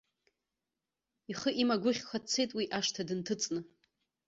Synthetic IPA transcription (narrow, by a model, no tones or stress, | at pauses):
iχəʔimaɡʷʊχʲkʷʰat͡sʰːe̞jtʼwiʔaʂtʰadɨntʰɨt͡sʼnɨ